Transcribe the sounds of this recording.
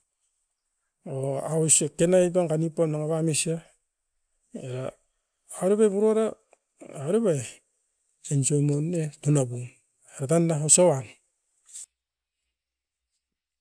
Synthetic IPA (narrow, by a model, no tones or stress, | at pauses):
oawsekenajbaŋɡanipamnaŋaβamesia | eɾaː | ɾeβajβuɾoɾaː | wɾeβaj | ensomonːetunabuŋ | eɾatandaɦosawan